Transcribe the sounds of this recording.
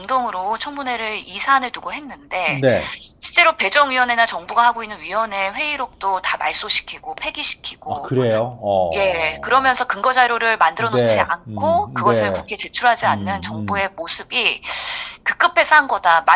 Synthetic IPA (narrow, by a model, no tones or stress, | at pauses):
ŋdoŋɯɾot͡ɕʰʌŋmune̞ɾɯɾisʰanɯɭtuɡoɦe̞nːɯnde̞neɕʰiɭt͡ɕ͈e̞ɾope̞d͡ʑʌŋɥiwʌne̞nat͡ɕʌŋbuɡahaɡoinːɯnɥiwʌne̞ɸwe̞iɾok̚t͈otamaɭs͈oɕʰi̥kʰiɡ̥opʰe̞ɡiɕʰi̥kʰiɡ̥okɯɾejoje̞kɯɾʌmjʌnsʰʌkɯŋɡʌd͡ʑaɾjoɾɯɭmandɯɾʌnd͡ʑiankʰokɯɡʌsʰɯɭkukʰe̞t͡ɕe̞t͡ɕʰuɭɦad͡ʑianːɯnt͡ɕʌŋbue̞mosʰɯbi | kɯk͈ɯpʰe̞sʰanɡʌdama